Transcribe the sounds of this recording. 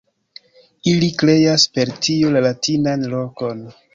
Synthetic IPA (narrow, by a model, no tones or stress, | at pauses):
ilikle̞jaspe̞ɾtʰiulalatinanlo̞ko̞n